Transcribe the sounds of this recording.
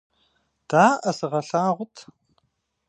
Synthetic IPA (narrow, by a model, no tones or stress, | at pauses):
d̥aːʔɐsɨʁɐɬaːʁʷʊtʰ